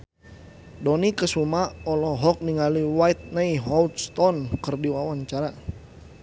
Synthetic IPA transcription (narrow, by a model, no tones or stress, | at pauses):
dɔnikəsumaɔlɔɦɔk̚niŋaliwait̪̚najɦɔlt̪st̪ɔnkərdiwawaɲt͡ʃaɾa